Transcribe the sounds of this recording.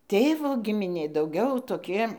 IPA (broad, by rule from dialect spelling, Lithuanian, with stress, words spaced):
ˈtʲeːʋoː ɡʲɪmʲɪˈnʲeː dɐʊˈɡʲɛʊ toːˈkʲɪ